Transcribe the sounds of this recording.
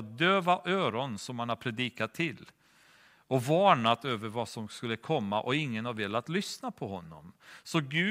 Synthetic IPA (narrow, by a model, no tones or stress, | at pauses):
t̪̚d̪øːvaʔøːɾɔnsɔmhanad̪pʰɾɛd̪iːkat̪ʰːɪlː | ɔvɑːɳat̪øːvəɾvasɔmskɵlːəkʰɔmːa̰ʔɔɪŋːənaɾveːlat̪lʏsnapʰɔɦɔnːɔ̰msɔɡʉ̟ː